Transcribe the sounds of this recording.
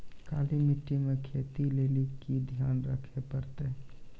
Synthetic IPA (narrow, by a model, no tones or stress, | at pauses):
kaːlimiʈːimekʰeːt̪ileːlikid̪ʱjaːnɾəkʰepəɾt̪e